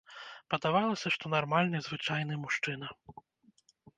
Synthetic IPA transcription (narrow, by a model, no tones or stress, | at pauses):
pɐd̪avalˠɐsʲɐʂt̪ɔnarmalʲnɨzvɨt͡ʂajnɨjmuʂt͡ʂɨnɐ